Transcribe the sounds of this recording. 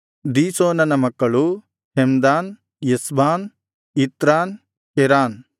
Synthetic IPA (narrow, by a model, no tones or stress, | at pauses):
d̪iːsoːnɐnɐmɐkːɐɭu | hemd̪aːn | jesbaːn | it̪ɾaːn | keɾaːn